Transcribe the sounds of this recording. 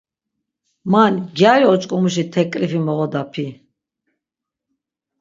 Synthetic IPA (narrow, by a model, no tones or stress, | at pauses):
manɡjajɔt͡ʃʼkʼumuʃit̪ʰɛkʼɾifimɔʁɔd̪apʰi